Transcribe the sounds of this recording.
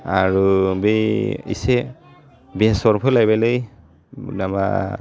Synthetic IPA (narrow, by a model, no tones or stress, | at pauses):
aɹubejḭsɛ | bɛsɔɹpʰɔlajbalej | nama̰